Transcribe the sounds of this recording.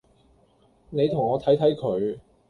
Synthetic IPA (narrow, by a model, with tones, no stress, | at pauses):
ne˨˧jt̪ʰʊ˨˩ŋɔː˨˧t̪ʰɐ˨˥jt̪ʰɐ˨˥jkʰɵ˨˧ɥ